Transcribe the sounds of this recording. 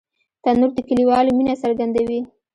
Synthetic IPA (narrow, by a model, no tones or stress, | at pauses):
t̪anuɾd̪əkəliwɑlominasaɾɡand̪awi